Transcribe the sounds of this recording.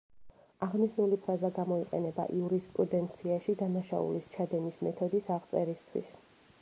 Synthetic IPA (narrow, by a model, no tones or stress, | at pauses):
aʁniʃnulipʰɾazaɡamɔiqʼɛ̰nɛba̰ʔiuɾispʼɾud̪ɛnt̪sʰiaʃid̪anaʃa̰ṵlist͡ʃʰad̪ɛnismɛt̪ʰɔd̪isaʁt̪sʼɛɾist̪ʰwḭs